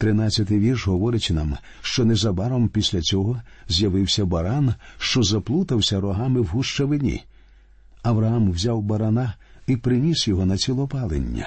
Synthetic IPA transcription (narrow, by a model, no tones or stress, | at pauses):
t̪ɾɪnat͡sʲːɐt̪ɪjʋʲirʃɦɔʋɔɾɪt͡ʃʲɪnam | ʃt͡ʃɔnɛzɐbɑɾɔmpʲisʲlʲɐt͡sʲɔɦɔzʲjɐʋɪwsʲɐbɐɾanʃt͡ʃɔzɐplˠut̪ɐwsʲɐɾɔɦɑmɪwɦuʃt͡ʃɐʋɪnʲḭ | ɐʋɾɐɦamwzʲawbɐɾɐna | ipɾɪnʲisjɔɦɔnɐt͡sʲilˠɔpɑlˠḛnʲːɐ̰